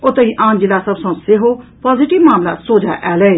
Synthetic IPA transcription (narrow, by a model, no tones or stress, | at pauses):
ʊt̪eiːʔãːnd͡ʒɪlaːsəbsõsɪɦoːpaːzɪʈɪʋmaːmlaːsoːd͡ʒa̰ːʔɛːle